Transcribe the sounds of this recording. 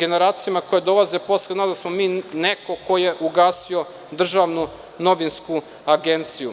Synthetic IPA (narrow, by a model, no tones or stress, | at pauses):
ɡe̞ne̞ɾaːt̪sijamako̞jed̪o̞lˠaze̞po̞slenad̪asmomiːneko̞ko̞je̞ʔuɡaːsio̞ | d̪r̩ʒaʋnu | no̞ʋinsku | aɡe̞nt̪siju